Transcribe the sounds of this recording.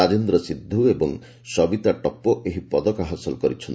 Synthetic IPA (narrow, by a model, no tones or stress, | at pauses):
ad͡ʒend̪ɾɔsid̪ʱːuebɔŋ | sɔbit̪aʈɔpːɔʔeɦipɔd̪ɔkaɦɔsɔlkɔɾit͡ʃʰɔn